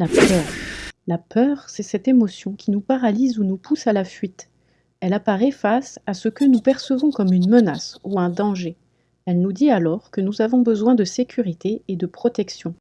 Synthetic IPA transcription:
lapœːʁlapʰœʁsɛsɛt̪emɔsjɔ̃kʲinupaʁalizunupʰusalafɥit̪ | ɛlapaʁɛfasasəkənupɛʁsəvɔ̃kɔmynmənasuɛ̃d̪ɑ̃ʒe | ɛlnud̪ialɔʁkənuzavɔ̃bəzwɛ̃d̪əsekʲʰyʁit̪eːd̪əpχɔt̪ɛksjɔ̃

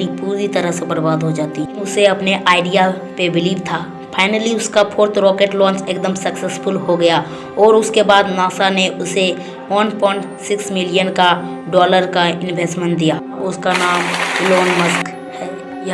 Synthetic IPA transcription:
ipuːɾit̪əɾəɦsebəɾbaːd̪ɦod͡ʒaːt̪iʊseɐpneʔaːɪɖija | pebɪliːbt̪ʰaː | pʰaːɪnəliʊskapʰoːɾt̪ʰɾɔːkeːʈlɔ̃ːnt͡ʃeːk̚d̪əmsəksesfʊlɦoɡəja | ɔːɾʊskebaːd̪naːsaneʔʊse | ʋənpɔ̃ɪɳʈsɪksmɪlijənka | ɖɔːləɾkaɪ̃nbʱeːsʈmə̃ɳʈ̚d̪ijaː | ʊskanaːmloːnməsk | hɛː | j

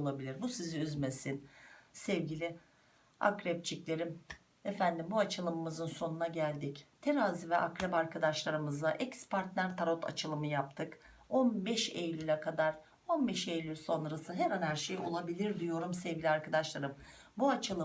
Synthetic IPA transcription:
olˠabilʲiɾbusiziyzme̞sinsɛvɟilʲɪ | a̰kɾɛp̚t͡ʃʰiclʲe̞ɾim | efænd̪imbuat͡ʃʰɯlˠɯmɯmɯzɯnso̞nunaɟælʲd̪ict̪ʰeɾaːzivɛʔakɾɛpaɾkʰad̪aʃlˠaɾɯmɯzaʔɛcspʰaɾt̪nʲæɾt̪ʰaɾo̞t̪ʰa̰t͡ʃʰɯlˠɯmɯjap̚t̪ʰɯk | o̞nbɛʃejlʲylʲɛkʰad̪aɾ | o̞nbɛʃejlʲyso̞nɾasɯɦɛɾanhæɾʃejo̞̰lˠabilʲiɾd̪ijo̞ɾumsɛvɟʲilʲiaɾkʰad̪aʃlˠaɾɯmbuat͡ʃʰɯlˠɯ

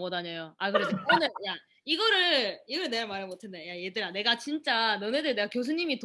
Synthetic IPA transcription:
ɡʌdaɲajoakɯɾedoʌnɯja | iɡʌɾɯɭɭiɡʌɾɯɭne̞ɡamaɾɯɭmotʰendejajedɯɾane̞ɡat͡ɕint͡ɕ͈anɯnedɯɭneɡakjos̬ʰuɲimit

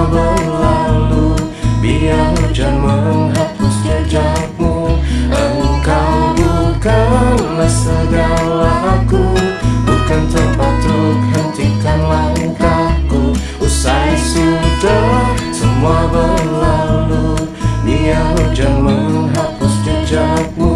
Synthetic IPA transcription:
bərlalu | bianud͡ʒəmanɦapust̪ud͡ʒa | kuaukajukalasəɡalaʔakubukant̪əpat̪ɾukhant̪ikanlaukaku | usaisit̪asəmuabərlalu | bijanud͡ʒərmanɦapust̪ud͡ʒaku

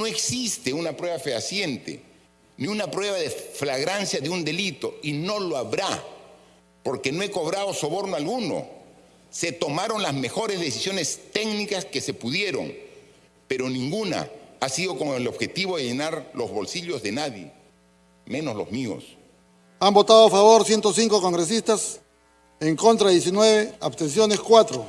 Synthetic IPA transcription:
no̞e̞ksist̪e̞unapɾwe̞βafeasje̞nt̪e̞̰ | niunapɾwe̞βaðeflaɣɾansjaðeund̪e̞lit̪o̞ino̞loaβɾa | po̞ɾke̞no̞eko̞βɾaðoso̞βo̞ɾnoalɣuno̞̰ | se̞t̪o̞maɾo̞nlazme̞xo̞ɾe̞zðe̞sisjo̞ne̞st̪e̞knikaske̞se̞puðje̞ɾo̞̰ŋ | peɾo̞nĩŋɡuna̰asiðo̞ko̞ŋeloβxe̞t̪iβoðe̞ʝenaɾlo̞zβo̞lsiʎo̞zðe̞naðjḛ | mẽ̞no̞zlozmio̰s | ambo̞t̪aðoafaβo̞ɾsjent̪osiŋkoko̞ŋɡɾe̞s̬ist̪as | eŋko̞nt̪ɾaðjes̬inwe̞βeaβst̪e̞ns̬jo̞neskwat̪ɾo

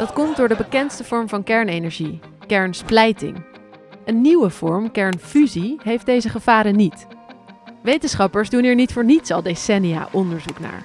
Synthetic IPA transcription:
d̥ɑtkɔmt̚dʊːɹdəbəkɛntstəv̥ɔɹmvɑnkɛɹnejnɛɹʒi | kɛɹnsplɛjtɪ̰ŋ | ʔənːiwəv̥ɔɹmkɛɹnfyziɦejfdejzəχəv̥aːɾənit | ʋejtənsχɑpəɹzduniːɹnitfʊːɹnitsɑlˠdesɛnija̰ːʔɔndəɹzukna̰ːɹ

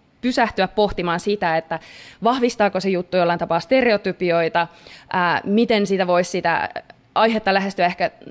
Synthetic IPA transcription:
pysæht̪yæppoht̪imɑːnsit̪æet̪ːæʋɑhʋist̪ɑːkosejut̪ːujolːɑint̪ɑpɑːst̪ereot̪ypioit̪ɑʔæːmit̪ensit̪æʋo̞issit̪æ̰ | ɑjɦet̪ːɑlæɦest̪yæehkæ

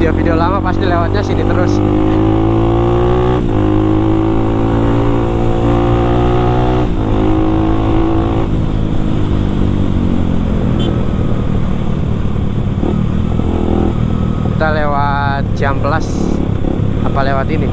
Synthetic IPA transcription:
eofideolamapast̪ilewat̪̚ɲasinit̪əɾʊs | kit̪alewa | t̪̚d͡ʒambəlas | apalewat̪ini

